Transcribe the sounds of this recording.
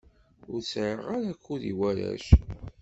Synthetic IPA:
ʊɾsʕəʁaɾækːuðiwæɾæ̰ʃ

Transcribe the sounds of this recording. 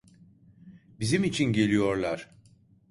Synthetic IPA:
bizimit͡ʃʰinɟe̞lʲijo̞ɾlˠaɾ̥

